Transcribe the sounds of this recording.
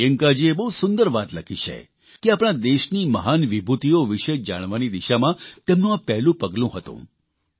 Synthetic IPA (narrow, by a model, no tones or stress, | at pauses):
əŋkad͡ʒiebəɦusʊnd̪əɾʋat̪ləkʰit͡ʃʰḛ | keapɽ̃ad̪eʃniməɦanʋibʱut̪ioʋiʃed͡ʒa̰ɽ̃ʋanid̪iʃamãt̪emnũapɛɦlũpəɡlũɦət̪ṵ̃